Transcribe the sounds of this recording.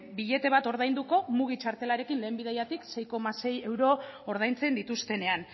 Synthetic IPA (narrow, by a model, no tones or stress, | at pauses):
biʎe̞t̪e̞β̞at̪o̞ɾð̞ajnd̪uko̞muɣ̞it͡ʃaɾt̪e̞laɾe̞kinle̞ːmbið̞ejat̪ikse̞jko̞mase̞je̞wɾo̞ːɾð̞ajnt͡se̞nd̪it̪ust̪e̞ne̞an